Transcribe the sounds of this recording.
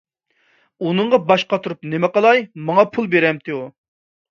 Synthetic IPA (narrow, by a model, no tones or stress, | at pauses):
unɨɴʁɑbɑʃqɑt̪ʰuɾupnemɛqɑlˠɑjmɑŋɑpʰulˠbeɾɛmt̪ʰeu